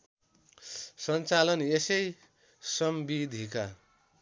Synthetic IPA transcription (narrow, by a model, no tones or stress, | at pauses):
sʌnt͡salʌnesʌj | sʌmbid̪ʱika